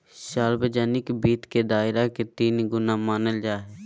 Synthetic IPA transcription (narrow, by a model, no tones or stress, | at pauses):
ʃaːlbəd͡ʒaːnɪkbiːt̪ked̪aːɪɾaket̪iːnɡʊnaːmaːnəld͡ʒaːɦɛː